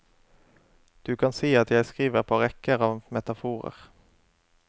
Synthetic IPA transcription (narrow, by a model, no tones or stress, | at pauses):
d̪̥ʉːkʰɑnsiːɑt̪jæɪskʁiːʋəʁpʰɑːʁɛkəʁɑːʋmɛt̪ɑfuːʁə̰ʁ